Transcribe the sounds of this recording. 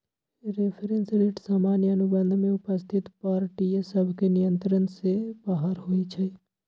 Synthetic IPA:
ɾepʰeɾenseleʈsaːmaːnjəənubənd̪ʱmẽʊpəst̪ʰɪt̪paːɾʈijsəbʱkenijənt̪ɾənsebəɦaɾɦoit͡ʃʰə

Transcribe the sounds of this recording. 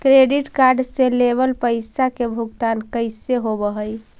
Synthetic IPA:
kɾeɖiʈkaɾɖselebəlpəɪsakebʱuɡt̪ankəɪseɦobəɦəj

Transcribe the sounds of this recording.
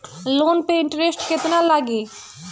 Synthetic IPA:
loːnpeɪɳʈəɾesʈkɪt̪nalaːɡiː

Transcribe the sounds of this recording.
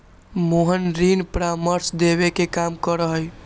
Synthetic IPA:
moɦənɾinpɾaməɾsd̪eβekekamkəɾəɦəj

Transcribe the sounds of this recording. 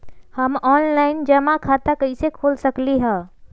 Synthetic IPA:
həmɔnlaɪnd͡ʒəmakʰat̪akəɪsekʰolsəkliɦə̃

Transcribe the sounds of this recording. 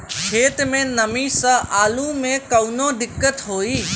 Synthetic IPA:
kʰeːt̪mẽnəmĩsɐ̃aːlũmẽkɐʊnõd̪ɪkːət̪ɦoːiː

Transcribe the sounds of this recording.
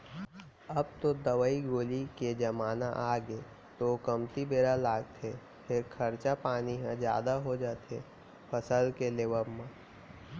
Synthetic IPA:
əb̚t̪od̪əʋəiɡoːliked͡ʒɐmaːnaʔaːɡe | t̪okəmt̪ibeːɾalaːɡt̪ʰe | pʰɪɾkʰəɾt͡ʃapaːniɦãd͡ʒja̰ːd̪aɦod͡ʒaːt̪e | pʰəsəlkeleːʋəbmã

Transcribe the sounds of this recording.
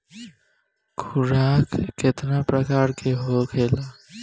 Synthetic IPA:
kʰʊɾaːkːɪt̪napɾəkaːɾkʰeɦoːkʰeːlaː

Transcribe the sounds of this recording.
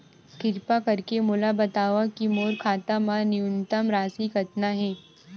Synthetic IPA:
kɪɾpakɐɾkemʊlabɐt̪aːʋakimoːɾkʰaːt̪amãnɪʊnt̪əmɾaːsikɐt̪naɦɛ̃ː

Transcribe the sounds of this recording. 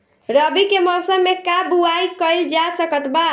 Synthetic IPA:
ɾəbikemɔsəmːekabuaikəɪld͡ʒasəkət̪ba

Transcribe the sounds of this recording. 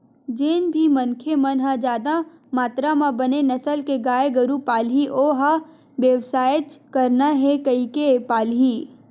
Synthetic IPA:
d͡ʒeːnbʱimɐnkʰemɐnɦad͡ʒaːd̪a | maːt̪ɾamãbɐnenɐsəlkeɡaːeɡɐɾupaːlɦiʔoːɦa | ʋjəʋsaːjət͡ʃkɐɾnaɦɛkɐikepaːlɦiː

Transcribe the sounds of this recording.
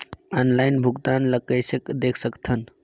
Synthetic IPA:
anlaɪnbʱʊɡt̪aːnləkəɪsəkd̪eːkʰsəkt̪ʰən

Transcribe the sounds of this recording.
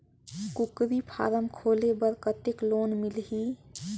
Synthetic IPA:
kukɾipʰa̰ːɾəmkʰoːlebəɾkət̪ekloːnmilɦi

